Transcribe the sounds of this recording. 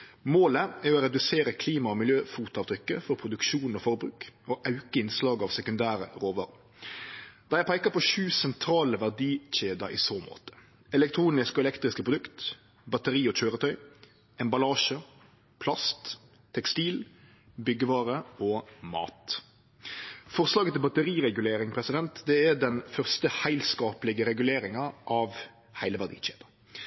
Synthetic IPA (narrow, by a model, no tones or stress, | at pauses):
moːləæɾɔɾɛd̪ʉseːɾəkʰliːmɑɔmɪljøːfuːt̪ɑːʋt̪ɾʏkːəfɔɾpʰɾʊd̪ʉkʃuːnɔfɔɾbɾʉ̰ːkoʔɑʉkəɪnslɑːɡɑːʋsɛkʉnd̪æːɾə̰ʁoːʋɑ̰ːɾ | d̪̥ɛæɪpʰæɪkəpʰɔʃʉːsɛnt̪ʰɾɑːləʋæʁd̪iːc͡çeːd̪ɑɾḭːsoːmo̰ːt̪ə̥ | ɛlɛk̚t̪ʰɾuːnɪskɔɛlɛkt̪ɾɪskəpʰʁʊd̪ʉkt̪ | bɑt̪əɾiːɔt͡ʃøːɾət̪ʰœʏ | ɛmbɑlɑːʃə | pʰlɑst̪ | t̪ʰːɛkst̪iːl | bʏɡəʋɑːɾəɔmɑ̰ːt̪ | fɔʁslɑːɡət̪ʰɪlbɑt̪əɾiːʁɛɡʉleːɾɪŋpʰɾɛsɪd̪ɛnt̪d̪ɛɛɖɛnfœʁst̪əhæɪlskɑːplɪɡəɾɛɡʉleːɾɪŋɑʔɑːʋ | hæɪləʋæʁd̪ḭːt͡ʃḛːd̪̥ɑ